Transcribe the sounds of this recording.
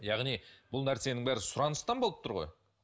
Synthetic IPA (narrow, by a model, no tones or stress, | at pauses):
jɑʁnijb̥ʊlˠnæɾse̞nɪŋbæɾɪsʊɾɑnəst̪ɑnbolˠəpt̪ʰʊɾʁo̞̰j